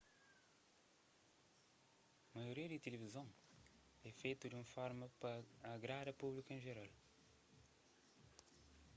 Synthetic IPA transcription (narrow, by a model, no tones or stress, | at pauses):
mɐjuɾiɐd̪ɨt̪ɨlvizɐ̃w̃ | ɛfejt̪ud̪ũmɐfɔɾmɐpɐɐɣɾaɾɐpuβlikẽʒeɾalˠ